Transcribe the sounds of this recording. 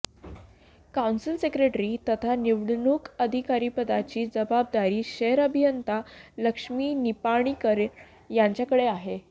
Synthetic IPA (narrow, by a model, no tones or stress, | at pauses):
kawnsilsekɾeʈɾiːt̪ət̪ʰaniʋɽɳukəd̪ʱikaɾiːpəd̪at͡ɕiːd͡zəbab̚d̪aɾiːɕəəɾəbʱijənt̪aləkʂmiːnipaɽ̃iːkəɾ | jaɲt͡ɕjakəɽeaɦe